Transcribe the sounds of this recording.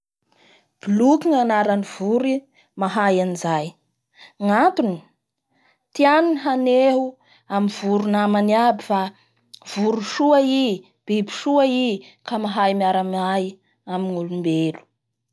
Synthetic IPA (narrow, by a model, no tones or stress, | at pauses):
b̥ilukiŋanaɾaniv̥uɾi | maɦajanizaj | ŋat̪uni̥ | t̪ianuniɦaneɦu | amiv̥uɾunamaniabifa | v̥uɾuʃuai | b̥ebi̥ʃuai | kamaɦajmiaɾamaj | amiŋulumbelu̥